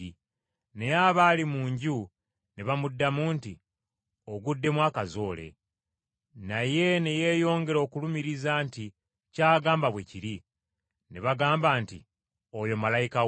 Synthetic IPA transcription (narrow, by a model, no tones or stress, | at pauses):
i | nejaβalimuːɲɟu | neβamudːamuːnti | o̞ɡudːe̞mwaːkazo̞ːle̞̰ | naje̞neje̞ːjo̞ːŋɡe̞ɾo̞ːkulumiɾizanti | caːɡaːmbaβwe̞ciɾi | neβaɡaːmbaːntḭ | ojo̞malajika